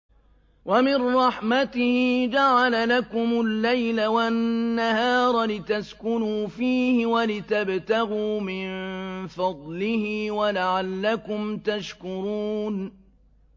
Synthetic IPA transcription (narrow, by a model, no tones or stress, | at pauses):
wʔamɪnɾˤɑħmat̪ɪhɪd͡ʒaʕalalakʊmʊlːajlawanːahɑːɾˤɑlɪt̪askʊnuːfiːhɪwalɪt̪abt̪aɣuːmɪnfɑd̪ˤlɪhɪwalaʕalːakʊmt̪aʃkʊɾuːn